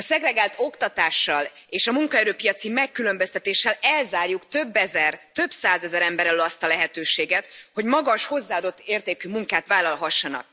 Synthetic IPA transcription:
ɒsɛɡɾɛɡaːlt̪o̞kt̪ɒt̪aːʃːɒl | eːʃɒmuŋkɒɛɾøːpijɒt̪simɛkːylø̞mbøst̪ɛt̪eːʃːɛlɛlzaːrjukt̪ø̞bːɛzɛrt̪ø̞bsaːzɛzɛɾɛmbɛɾɛlølɒst̪ɒlɛɦɛt̪øːʃeːɡɛt̪ho̞ɟmɒɡɒʃho̞zːaːɒd̪o̞t̪ːeːrt̪eːkymuŋkaːt̪ʋaːlɒlɦɒʃːɒnɒ̰k̚

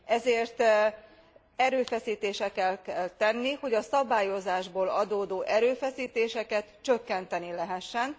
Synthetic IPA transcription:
ɛzeːrt̪ | ɛɾøːfɛsiːt̪eːʃɛkɛlkɛlt̪ɛnːiho̞ɟɒsɒbaːjo̞zaːʒboːlɒd̪oːd̪oːʔɛɾøːfɛsiːt̪eːʃɛkɛt̪t͡ʃøkːɛnt̪ɛnilɛɦɛʃːɛn

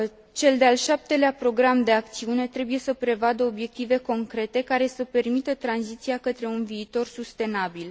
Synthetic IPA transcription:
t͡ʃe̞ld̪ealʃap̚t̪e̞leapɾo̞ɡɾamd̪e̞akt̪siune̞t̪ɾe̞buje̞səpɾe̞vad̪əo̞bje̞k̚t̪ive̞ko̞ŋkɾe̞t̪e̞kaɾe̞səpe̞rmit̪ət̪ɾanzit̪siakət̪ɾe̞unviːt̪o̞rsust̪e̞nabil

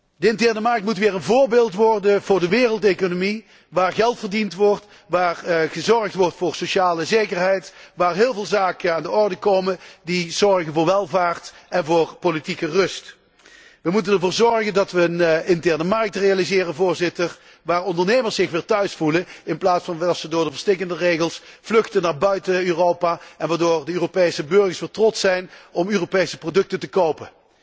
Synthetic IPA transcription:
dəɪntɛɹnəmɑɹk̚tmutʋɪːɹənvʊːɹbeːlˠtʋɔrdəvʊːɹdəʋɪːrəlˠtejkonomi | ʋaːɹɣɛlˠtfərdintʋɔrt | ʋaːrχəzɔɹktʋɔrtfʊːɹsoʃaːləzejkərɦɛjtʋaːɹɦɪːlˠvɪːlˠzaːkənaːndəɔɹdəkowməndizɔɹɣənvʊːɹʋɛlˠvaːɹtɛnvʊːrpolitikərɵst | ʋəmutənɛɹvʊːɹzɔɹɣəndɑtʋəənɪntɛɹnəmɑrk̚trejalizɪːrənvʊːɹzɪtər | ʋaːrɔndəɹnejməɹsɪxʋɪːɹtœɥsfuləɪnplaːtsfɑnʋdɑtsədʊːɹdəvəɹstɪkəndərejɣəlˠsflɵxtənaːɹbœɥtəøːrowpaːʔɛnʋaːɹdoːrdəøːropejsəbɵɹɣəɹsʋɪːltrɔtsɛjnɔmøːropejsə̥prodɵk̚təntəkowpə

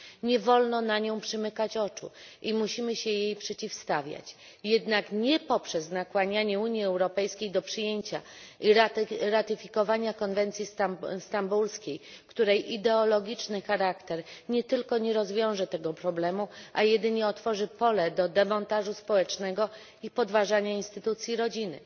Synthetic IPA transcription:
ɲɛvɔlnɔnaɲɔ̃w̃pʂɘmɘkat͡ɕɔt͡ʂṵʔimuɕimɘɕɛjejpʂɛt͡ɕifst̪avʲja̰t͡ɕ | jɛd̪nakɲɛpɔpʂɛznakwaɲaɲɛuɲjiɛwɾɔpɛjskʲejd̪ɔpʂɘjeɲt͡ɕaiɾɾat̪ɘfʲikɔvaɲakɔnvɛnt̪sʲjisst̪ambulskʲejkt̪uɾɛjid̪ɛɔlɔɡʲit͡ʂnɘxaɾakt̪ɛɾɲɛt̪ɘlkɔɲɛɾɔzvʲjɔ̃w̃ʐɛt̪ɛɡɔpɾɔblɛmuʔajɛd̪ɘɲɛɔt̪fɔʐɘpɔlɛd̪ɔd̪ɛmɔnt̪aʐuspɔwɛt͡ʂnɛɡɔ | ipɔd̪vaʐaɲainst̪ɘt̪ut̪sʲjiɾɔd͡ʑinɘ̰

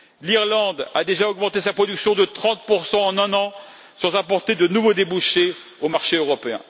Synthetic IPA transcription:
liʁlɑ̃d̪ad̪eʒaɔɡmɑ̃t̪esapχɔd̪yksjɔ̃d̪ət̪χɑ̃t̪̚puʁsɑ̃ːnɛ̃nɑ̃ | sɑ̃zapɔʁt̪ed̪ənuvod̪ebuʃe | omaʁʃeøʁɔpeɛ̰̃

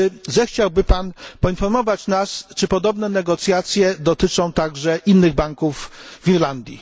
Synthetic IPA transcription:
zɛxt͡ɕawbɘpanpɔinfɔɾmɔvat͡ɕnast͡ʂɘpɔd̪ɔbnɛnɛɡɔt̪sʲjat̪sʲjɛd̪ɔt̪ɘt͡ʂɔ̃w̃t̪aɡʐɛʔinːɘɣbaŋkuvːiɾland̪ʲjḭ

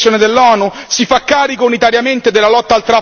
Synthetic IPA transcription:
joːned̪elːɔːnusifakːaːɾikounit̪aɾjament̪ed̪elːalɔt̪ːalt̪ɾa

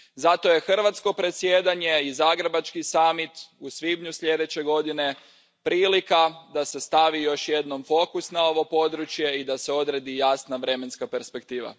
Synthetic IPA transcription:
zat̪o̞je̞xr̩ʋat̪sko̞pɾe̞t̪sjeːd̪aɲe̞izaɡɾebat͡ʃkisamit̪usʋibɲusʎʲe̞d̪e̞t͡ɕe̞ɡo̞d̪ine̞ | pɾiːlikad̪ase̞st̪aʋijo̞ʃje̞d̪no̞mfo̞kusnao̞ʋo̞po̞d̪ɾut͡ʃje̞id̪ase̞o̞d̪ɾe̞d̪ijaːsnaʋɾeme̞nskape̞ɾspekt̪iːʋa̰

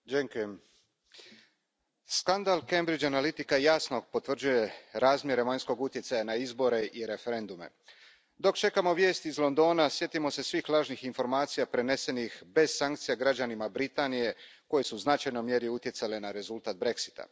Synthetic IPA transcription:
d͡ʒeŋkujem | skand̪alˠkembɾid͡ʒanalit̪ikajaːsno̞ɡpo̞t̪ʋr̩d͡ʒuje̞ɾaːzmje̞ɾe̞ʋaɲsko̞ɡut̪je̞t̪sajanaizbo̞ɾe̞ʔiɾe̞fe̞ɾe̞nd̪ume̞̰ | d̪o̞kt͡ʃe̞kamo̞ʋje̞ːst̪izlˠo̞nd̪o̞ːnasje̞t̪imo̞se̞sʋixlˠaːʒnixinfo̞ɾmaːt̪sijapɾe̞ne̞se̞nixbe̞zsaŋkt̪sijaɡɾad͡ʑanimabɾit̪aːnije̞ko̞je̞suːznat͡ʃajnojmje̞ɾiut̪je̞t̪sale̞naɾe̞zulˠt̪aːt̪̚bɾe̞ksi̥t̪a̰

